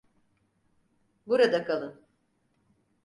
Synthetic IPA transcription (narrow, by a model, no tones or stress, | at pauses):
buɾad̪akʰalˠɯn